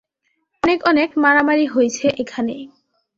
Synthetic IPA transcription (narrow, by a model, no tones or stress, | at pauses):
ɔnekɔnekmaɾamaɾiɦojt͡ɕʰeʔekʰane